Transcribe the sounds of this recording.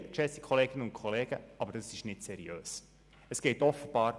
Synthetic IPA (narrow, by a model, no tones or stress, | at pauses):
t͡ʃɛsi̥kʰɔleːɡɪnəʊntkʰɔleːɡ̥ə̰ʔɑbəɾdɑsɪʃnɪtsɛɾiøːs | əsɡ̥ɛɪtɔfəb̥ɑːɾ